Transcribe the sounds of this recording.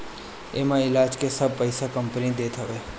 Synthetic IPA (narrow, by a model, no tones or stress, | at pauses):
emãɪlad͡ʒkesəb̚pəjsakəmpnid̪et̪ʰəʋe